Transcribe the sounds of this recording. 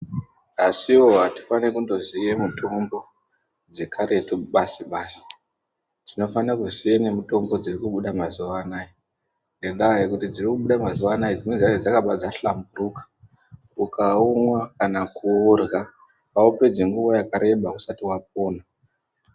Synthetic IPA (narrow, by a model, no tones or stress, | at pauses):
asiwo̞ɦati̥fanekundo̞zijemutʰo̞mbo̞ | d͡ze̞kʰaɾe̞tuɓasiɓaːsi̥ | d͡zino̞fanakuzienemuto̞mbo̞d͡zirikuɓuɗamazuʋanaːi | ŋɡendajekutid͡zirikuɓuɗamazuʋanaid͡zimwed͡zaked͡zakaɓad͡zaɬamburukḁ | ukaumwakanakuurɣa | paupe̞d͡ziŋɡuʋojakaɾe̞ɓausatiwap̚o̞ːna